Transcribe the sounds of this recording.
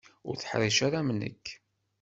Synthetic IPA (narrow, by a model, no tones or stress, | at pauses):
ʊ̰ɾθə̥ħɾiʃaɾamənə̰kː